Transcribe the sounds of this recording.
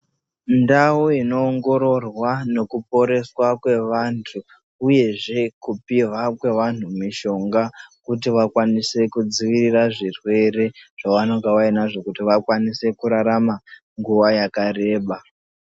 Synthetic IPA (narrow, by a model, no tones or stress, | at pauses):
ndawoino̞ːŋɡo̞ɾo̞rwano̞kup̚o̞ɾe̞swakwe̞ʋantʰu | uje̞ʐe̞kupiʋakwe̞ʋan̤umiʃo̞ŋɡakut̬iʋakwanise̞kud͡ziʋiriraʐirwe̞re̞ʐ̥aʋano̞ŋɡaʋainaʐo̞kutiʋakwanise̞kuɾaɾama | ŋɡuʋajakare̞ːɓa